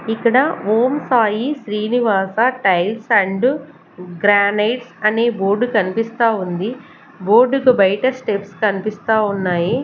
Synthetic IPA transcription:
ikːɐɽɐʋoːmsaːjiʃɾiːniʋaːsaʈɐjlsɐɳɖ | ɡɾaːnɐjʈsɐneːboːɾɖukɐnipist̪aːund̪i | boːɾɖukubɐjʈɐsʈepskɐnipist̪aːunːaːji

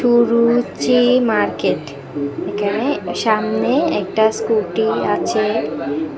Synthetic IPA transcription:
ʃuɾut͡ɕimaɾkeʈ | ekʰaneʃamneɛk̚ʈaskulʈiat͡ɕʰe

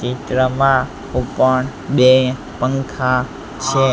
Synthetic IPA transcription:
t͡ʃit̪ɾəmã | ɦũpəɳ | ɓe | pəŋkʰã | t͡ʃʰe

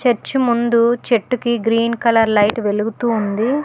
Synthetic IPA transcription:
t͡ʃeɾt͡ʃimund̪ut͡ʃe̞ʈːukiɡɾiːnkɐlɐɾlɐjʈʋe̞luɡut̪uːnd̪i

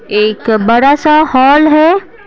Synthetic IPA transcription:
eːkbɐɽasahɔːlɦɛː

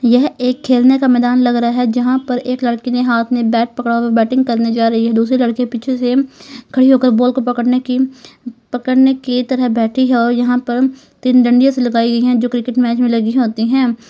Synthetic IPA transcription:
jɛɦeːkʰːeːlnekamɛːd̪aːnlɐɡɾəaɦɛd͡ʒɐɦãpɐɾeːklɐɽkeneɦaːt̪ʰmẽbɛːʈ̚pɐkɽabɛːʈɪ̃ŋɡ̚kɐɾned͡ʒaːɾɐɦiɦɛd̪uːsɾelɐɽkepɪt͡ʃʰesekʰɐɽiɦoːkəɾboːlkopɐkəɽnekipɐkəɽneket̪ɐɾəɦbɛːʈʰiɦɛɔːɾjɐɦãpəɾ | t̪inɖɐ̃ɳɖijãselɐɡaːiɡɐiɦɛ̃d͡ʒoːkɾɪkɪʈmɛːt͡ʃmẽlɐɡiɦoːt̪iɦɛ̃ː

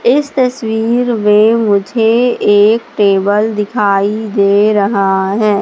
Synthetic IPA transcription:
ɪst̪ɐswiːɾmẽmʊd͡ʒʱeeːkʈeːbəld̪ɪkʰaːid̪eːɾɐɦaɦɛː

